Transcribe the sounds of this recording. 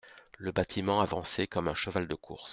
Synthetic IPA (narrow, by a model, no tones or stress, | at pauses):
ləbat̪ʰimɑ̃avɑ̃sekɔmɛ̃ʃəvald̪əkʰṵʁs